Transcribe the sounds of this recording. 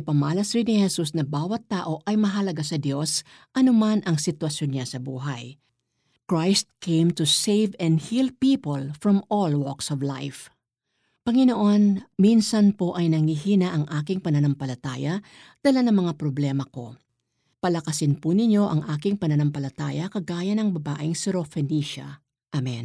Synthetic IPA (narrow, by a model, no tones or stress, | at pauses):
pɐmaːlɐsɾɪnɪhɛsusnɐbaːwɐt̪ːaːʔo̞ʔɐjmɐɦɐlɐɡasɐd̪jo̞s | ʔɐnʊmanʔɐŋsɪt̪wɐsjo̞nɲasɐbuːɦaj | kɹajst̪̚kʰẽjmt̪usejvɛ̃nd̪hilpiːpolfɹɐmolwɔksɔvla̰jf | pɐŋɪnoʔo̞nminsɐnpo̞ʔɐjnɐŋhihiːnɐʔɐŋʔaːkɪŋpɐnɐnɐmpɐlɐt̪aːjɐ | d̪̥alanɐŋmɐŋapɾoblɛmɐko̞̰ | pɐlɐkɐsɪnpunɪɲo̞ʔɐŋʔaːkɪŋpɐnɐnɐmpɐlɐt̪aːjɐkɐɡaːjɐnɐŋbɐbaːʔɪŋsɪɾofɛniʃɐ̰ | ʔamɛn